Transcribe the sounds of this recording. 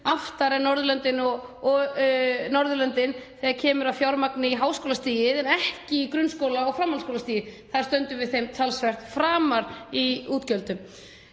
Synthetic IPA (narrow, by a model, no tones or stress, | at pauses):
aft̪aɾɛɾnɔɾðʏlœnt̪ɪnɔɣ | nɔɾðʏlœnt̪ɪnθɛaɾcʰɛːmʏɾavfjawɾmaknɪiɦaːwskowlast̪iːjɪðɛnɛhcɪikɾʏnskowlaɔɣfɾamhalskowlast̪iːjɪθaðḁɾst̪œnt̪ʏvɪðθejmt̪ʰalsvɛr̥t̪fɾaːmaɾiuːt̪cœlt̪ʏm